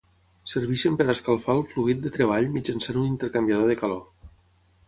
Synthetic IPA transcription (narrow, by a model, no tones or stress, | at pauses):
səɾβ̞iʃəmpəɾaskalˠfaəlˠfluɣit̪̚d̪ət̪ɾeβ̞aʎmid͡ʒansanunint̪əɾkambiaðoðekalo